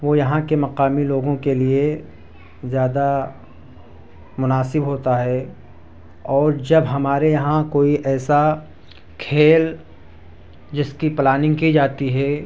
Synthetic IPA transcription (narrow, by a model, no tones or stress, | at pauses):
ʋojɐɦãkemɐqaːmiloːɡõkelie | zjaːd̪a | mʊnaːsɪbɦoːt̪aɦɛː | ɔːɾd͡ʒɐbɦɐmaːɾejɐɦãkoːiʔɛːsa | kʰeːl | d͡ʒɪskiplaːnɪ̃ŋɡkid͡ʒaːt̪iɦɛː